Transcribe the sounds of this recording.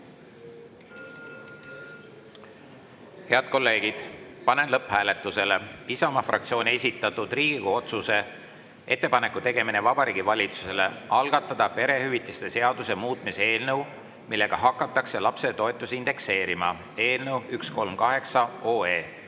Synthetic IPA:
he̞ɑd̪̥̚ko̞lːe̞ːɡ̥id̪̥pɑne̞nlɤphæːle̞t̪ˑːuse̞le̞isɑmɑfrɑ̰k̚t̪sio̞ːnʲie̞sʲit̪ːˑɑt̪ːˑud̪̥riːɡ̥ikuo̞t̪suse̞ | e̞t̪ːˑe̞pɑne̞kːˑut̪e̞ɡe̞minevɑb̥ɑɾiːɡ̥ivɑlʲit̪su̥se̞le̞ɑlɡ̥ɑt̪ːˑɑd̪̥ɑpe̞ɾe̞hyvit̪ːˑist̪e̞se̞ɑd̪use̞muːt̪ˑmisee̞ːlnəw | milːe̞ɡ̥ɑɦɑkːˑɑt̪ːˑɑkse̞lɑpset̪o̞et̪ːˑusind̪̥e̞kse̞ːɾimɑ̰ | e̞ːlnəwyksko̞lmkɑɦe̞ksɑoːe̞ː

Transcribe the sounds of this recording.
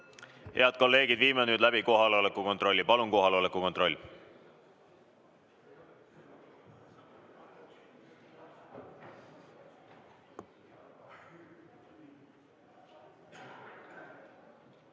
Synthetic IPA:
he̞ɑd̪̥̚ko̞lːe̞ːɡid̪viːmenyːd̪læbiko̞ɦɑlo̞lekːuko̞nt̪ɾro̞lʲːipɑluŋko̞ɦɑlo̞lekˑuko̞nt̪ro̞lʲː

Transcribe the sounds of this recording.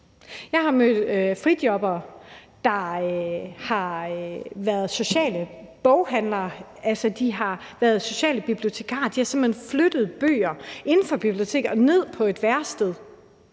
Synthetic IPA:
jɑ̈ɪhɑ̈mød̥øfʁid̥jɒ̽b̥ɐː | d̥ɑ̈ | hɑ̈ | ʋæɐð̞̩ˠso̝ɕɛ̰ːlə | b̥ɒʊɦænlɐː | ælsəd̥iɦɑ̈ʋæɐð̩ˠso̝ɕɛ̰ːləb̥ib̥lio̝t͡sʰe̝kʰɑ̰̈ːd̥ihɑ̈semhenflød̥ð̩ˠb̥ø̰ːɐʔe̝nn̩fɒ̽b̥ib̥lio̝t͡sʰe̝̰ːɡ̥ɒ̽ne̝ð̞̰ˠpʰɒ̽e̝d̥ʋæɐsd̥eð̞ˠ

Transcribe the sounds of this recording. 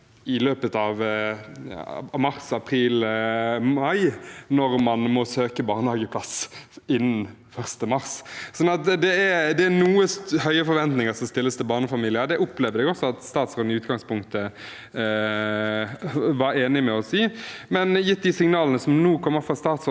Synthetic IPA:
ɪløːpət̪ɑʋ | ɑmɑʁsɑpʰɾiːl | mɑɪnɔʁmɑnmɔsøːkəbɑːʁnəhɑːɡəpʰlɑsɪnːn | fœʁst̪əmɑʁssɔnːɑt̪̚d̪ɛæɾd̪ɛænuːəshœʏəfɔɾʋɛnt̪nɪŋəsɔmst̪ɪlːəst̪ʰɪlbɑːʁnəfɑmiːlɪəɾd̪ɛʔʊpleːʋdəd̪ɛɡɔsɔɑt̪st̪ɑːt̪sʁoːd̪nɪʉːt̪ɡɑŋspʊŋkt̪ə | ʋɑɾeːnɪmɛɔsiːmɛnjɪt̪̚d̪ɪsɪŋnɑːlənəsɔmnuːkʰɔmːəɾfʁɑːst̪ɑːt̪so

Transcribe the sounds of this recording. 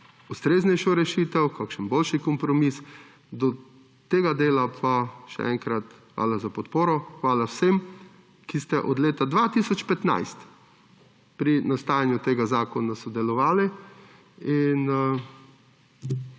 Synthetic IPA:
ust̪ɾeːznɛjʃɔɾɛʃiːt̪ɛwkaːkʃənboːlʃikɔmpɾɔmis | d̪ɔ | t̪eːɡad̪eːlapʰaʃɛ̰ɛ̰ŋkɾat̪xʋa̰ːlazapɔt̪poːɾɔxʋaːlawsem | kist̪ɛʔɔd̪leːt̪ad̪ʋat̪isɔt͡ʃpɛt̪na̰jst̪ | pɾinast̪aːjanjut̪eːɡazaːkɔnasɔd̪ɛlɔʋaːli | in

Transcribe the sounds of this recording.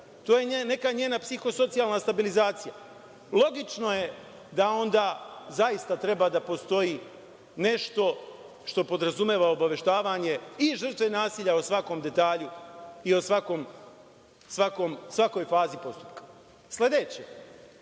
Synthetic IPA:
t̪oːjene̞kaɲeːnapsixo̞so̞t̪sijalˠnast̪abilizaːt̪sija | lo̞ɡit͡ʃno̞je̞ | d̪ao̞nd̪aːzajist̪at̪ɾe̞bad̪apo̞st̪o̞jiː | ne̞ʃt̪o̞ | ʃt̪o̞po̞d̪ɾazumeːʋaobaʋe̞ʃt̪aːʋaɲe̞iʒr̩t̪ʋe̞naːsiːʎaosʋako̞md̪e̞t̪aːʎuio̞sʋako̞m | sʋako̞msʋako̞jfaːzipo̞st̪u̥pkḁ | sle̞d̪e̞t͡ɕe

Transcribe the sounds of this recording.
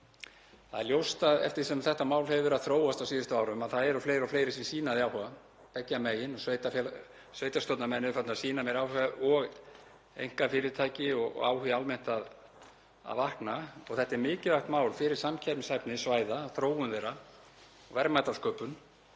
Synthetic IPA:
θaðɛɾljowst̪aðɛ̰ft̪ɪɾsɛmθɛht̪amaːwlhɛvʏɾaðθɾoːwast̪awsiːðɪst̪ʏaːwɾʏmaðθaðɛɾɔfleːjɾawfleːjɾɪsinsiːnaðjawhʏɣa | pɛcːameːjɪnɔsvejt̪af | sveːjt̪ast̪ɔwt̪namɛnːɪfat̪nasiːnamɛɾaːwhɛɔɣ | ḛjŋ̥kafɪːɾɪɾt̪ʰaːjcɪɔɣ̰a̰ːwhʏalmɛn̥t̪að | a̰ðvahknaɔ̰ɣθɛht̪aɛɾmɪːcɪlaht̪maːwlfɪɾɪɾsamcʰɛɾmshajpnɪsvaːjðaːθɾoːwʏnðejɾa | ɔɣvɛɾmajt̪alskœːpʏn

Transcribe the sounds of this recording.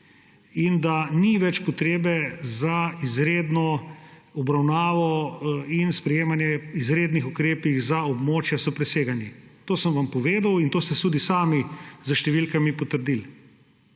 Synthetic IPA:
ind̪aniʋɛt͡ʃpɔt̪ɾeːbɛzaizɾeːd̪nɔɔbɾawnaːʋɔinspɾɛjeːmanjɛizɾeːd̪nixukɾeːpiɣzaɔbmoːt͡ʃjasɔpɾɛseːɡanjit̪oːsəmʋampɔʋeːd̪awint̪oːst̪ɛst̪uːd̪isaːmizəʃt̪ɛʋilkamipɔt̪əɾd̪il

